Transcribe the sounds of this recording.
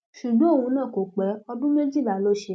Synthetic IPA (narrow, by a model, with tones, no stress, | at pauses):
ʃu˨ɡ͡bã˨˦o˦˨w̃ũ˧nã˦˨ko˨k͡pɛ˨˦ɔ˧dũ˦mɛ̃˦d͡ʒi˦˨ba˨lo˦˨ʃe˧˦